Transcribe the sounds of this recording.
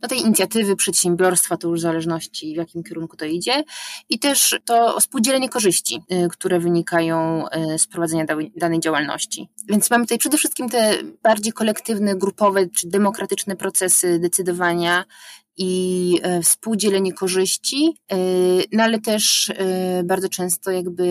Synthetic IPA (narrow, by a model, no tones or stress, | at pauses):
d̪ɔt̪ɛjiɲit̪sʲjat̪ɘvɘpʂɛt̪ɕɛmbʲjɔɾst̪fat̪ɔjuʐzalɛʐnɔɕt͡ɕivʲjakʲimkʲɛɾuŋkut̪ɔid͡ʑɛit̪ɛʂt̪ɔfspuwd͡ʑɛlɛɲɛkɔʐɘɕt͡ɕḭkt̪uɾɛvɘɲikajɔ̃w̃spɾɔvad̪zɛɲad̪awd̪anɛjd͡ʑawalnɔ̰ɕt͡ɕḭvʲjɛnt̪smamɘt̪ut̪ajpʂɛd̪ɛfʂɘst̪̚kʲimt̪ɛb̥aɾd͡ʑejkɔlɛkt̪ɘvnɛɡɾupɔvɛt͡ʂɨd̪ɛmɔkɾat̪ɘt͡ʂnɛpɾɔt̪sɛsɘd̪ɛt̪sɘd̪ɔvaɲa | i | fspuwd͡ʑɛlɛɲɛkɔʐɘɕt͡ɕi | nɔalɛt̪ɛʂ | baɾd̪zɔt͡ʂɛ̃w̃st̪ɔjaɡbɘ